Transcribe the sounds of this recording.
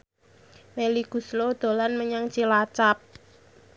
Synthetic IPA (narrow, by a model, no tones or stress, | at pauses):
meliɡ̥ṳslod̪̥o̤lanməɲaŋt͡ʃilat͡ʃap̚